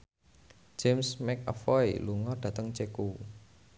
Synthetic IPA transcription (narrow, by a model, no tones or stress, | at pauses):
d͡ʒ̥emsmɛkɔ̰fɔiluŋɔɖ̥ä̤t̪əŋt͡ʃeku